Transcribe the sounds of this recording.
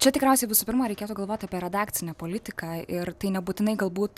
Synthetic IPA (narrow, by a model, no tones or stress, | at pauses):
t͡ʃʲɛt̪ʲɪkɾʲɛʊsʲɛɪʋʲɪsuːpʲɪɾmɐɾʲɛɪkʲeːt̪uːɡɐlˠʋoːt̪ʲɐpʲiɛɾʲɛd̪ɑːkt͡s̪ʲɪnʲɛːpoːlʲɪt̪ʲɪkɑːɪrt̪ɐɪnʲɛbuːt̪ʲɪnɐɪɡɐlˠbuːt̪